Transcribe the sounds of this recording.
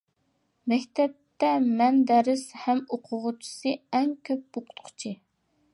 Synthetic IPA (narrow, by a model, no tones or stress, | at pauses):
mɛkʲt̪ʰɛp̚t̪ːɛmɛnd̪ɛɾɪshɛmoqʰʊʁʊt͡ʃʰi̥sɨɛŋkʲʰøp̚boqʰʊ̥t̪qʰʊ̥t͡ʃʰi